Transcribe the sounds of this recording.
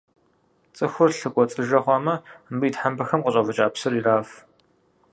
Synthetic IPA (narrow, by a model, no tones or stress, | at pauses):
t͡sʼɨxʷʊrɬɨkʷʼɔt͡sʼɨʒɐʁʷɔmɐmbɨiːtħambɐxɐmqəɕʼɐvɐt͡ʃʼaːpsɨɾiraːf